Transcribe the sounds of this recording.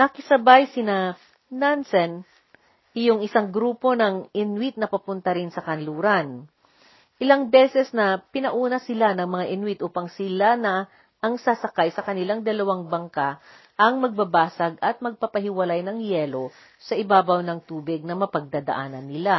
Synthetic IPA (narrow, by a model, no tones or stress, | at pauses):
nɐkɪsɐbajsɪna | nansɛn | ʔɪjoŋʔɪsaŋɡɾuːpo̞nɐŋɪnwɪt̪̚nɐpɐpʊnt̪ɐɾɪnsɐkɐnluːɾɐn | ʔɪlaŋbɛsɛsnɐpɪnɐʔuːnɐsɪlanɐŋmɐŋaʔɪnwɪt̪ʔuːpɐŋsɪlanɐ | ʔɐŋsasɐkajsɐkɐnɪlaŋd̪ɐlɐwaŋbɐŋka | ʔɐŋmɐɡ̚bɐbaːsɐɡɐt̪̚mɐɡ̚papɐɦɪwɐlajnɐŋjɛːlo̞ | sɐʔɪbaːbɐwnɐŋt̪uːbɪɡ̚nɐmɐpɐɡ̚d̪ad̪ɐ̰ʔaːnɐnːɪla